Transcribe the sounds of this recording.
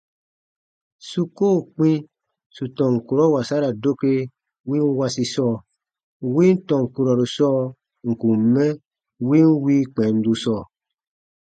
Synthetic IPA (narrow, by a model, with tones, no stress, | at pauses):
su˦koː˦˨k͡pĩ˦ | su˨tɔ̃˨ŋ̩˨ku˨ɾɔ˦wa˨sa˦ɾa˨do˦ke˧ | wĩ˦n˦wa˧si˧sɔː˦˨ | wĩ˦n̩˦tɔ̃˨ŋ̩˨ku˧ɾɔ˨ɾu˨sɔː˦˨ | ŋ̩˨ku˨mɛ˦ | wĩ˦n˦wiː˦k͡pɛ̃˨n̩˦du˧sɔː˦˨